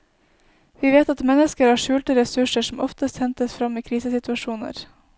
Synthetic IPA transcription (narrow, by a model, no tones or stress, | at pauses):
ʋiːʋeːt̪ɑt̪mɛnəskəɾhɑːʂʉːlt̪əɾɛsʉʂəʂɔm̩ʔɔft̪əst̪hɛnt̪əsfɾɑmiːkʰɾiːsəsɪt̪ʋɑʃuːnə̰ɾ